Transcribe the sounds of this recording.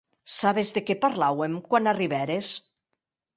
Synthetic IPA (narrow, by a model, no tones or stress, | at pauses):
saβezðekepaɾlawemkwanariβɛɾes